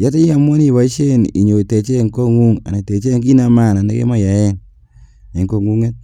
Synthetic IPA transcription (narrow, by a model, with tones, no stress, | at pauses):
ja˦te˦ja˨mwɔ˦ni˦˨βa˨˦i˦ʃe˦˨nḭ˨ɲo˨i˨te˨t͡ʃe˦˨ŋko˦ŋu˦ŋa̰˨na˨te˨t͡ʃe˦ŋk̬i˦na˧ma˦˨na˨ne˦kḛ˦ma˦ja˨ɛ˦n | e˨ŋko˦˨ŋu˦ŋe˦t̚